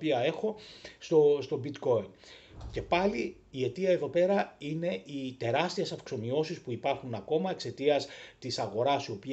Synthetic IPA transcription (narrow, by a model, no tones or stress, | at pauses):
piɐe̞xo̞st̪ost̪o̞bit̪ko̞ince̞pɐliː | e̞t̪iɐe̞ðo̞pe̞ɾɐine̞ʔit̪e̞ɾɐst̪ie̞sɐfkso̞mio̞sispuipɐɾxunɐko̞mɐe̞kse̞t̪iɐst̪isɐɣo̞ɾɐsio̞pi